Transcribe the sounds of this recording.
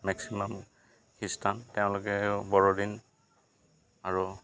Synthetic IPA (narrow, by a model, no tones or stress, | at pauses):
mɛksimɔm | kʰistʰanteʊ̃lʊkɛbɔɹɔdin | aɹu